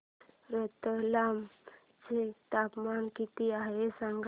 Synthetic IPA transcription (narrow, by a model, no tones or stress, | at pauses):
ɾət̪əlam | d͡zet̪apmankit̪iaɦesaŋɡ